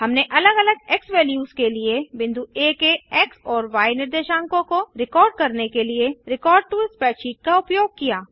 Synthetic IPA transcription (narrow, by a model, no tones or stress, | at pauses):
ɦɐmneʔɐləɡɐləɡɛksʋɛːljuːzkeliebɪ̃nd̪ʱueːkeɛksɔːɾʋaːjnɪɾd̪eːʃãːŋkõkoɾɪkɔːɾɖ̚kɐɾnekelieɾɪkɔːɾɖ̚ʈuɪspɛːt͡ʃiːʈ̚kaʊpjoːɡ̚kijaː